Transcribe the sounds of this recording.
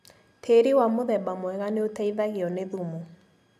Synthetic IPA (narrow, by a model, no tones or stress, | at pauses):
tʰeɾiwamoðɛbamwɛɣaneotaiðaɣeɔneðumo